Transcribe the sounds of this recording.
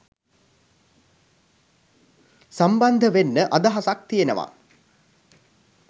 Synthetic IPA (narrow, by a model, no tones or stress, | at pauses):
samband̪ʱəʋenːəʔad̪aɦasak̚t̪ijenəʋa̰